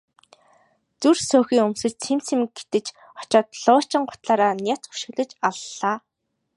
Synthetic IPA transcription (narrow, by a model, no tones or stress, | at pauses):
t͡sursʊːxiːŋɵmsɘ̆t͡ɕt͡sʰemt͡sʰĭm̚ɡet̪ɘ̆t͡ɕ | χɔ̥t͡ɕɔːt̪ɮʊːt͡ɕɪ̆ɴɢʊ̥t̪ɮaːɾaːnʲat͡s̪u̥ʃɪ̆ɣɮɘ̆t͡ɕaɮːaː